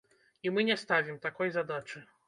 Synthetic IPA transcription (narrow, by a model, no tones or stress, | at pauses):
imɨnʲɛst̪avʲimt̪akɔjzad̪at͡ʂɨ